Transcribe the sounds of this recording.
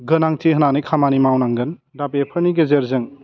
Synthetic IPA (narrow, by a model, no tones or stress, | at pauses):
ɡɯnaŋtʰiɦənanikʰamanimawnaŋɡɯndapepʰɯɾniɡezeɾzɯŋ